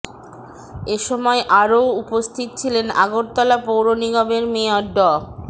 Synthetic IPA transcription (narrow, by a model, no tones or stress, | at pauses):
eʃɔmɔeʔaɾoupost̪ʰit̪̚t͡ɕʰilena̰ɡoɾt̪ɔlapowɾoniɡɔbeɾmeɔɖːɔ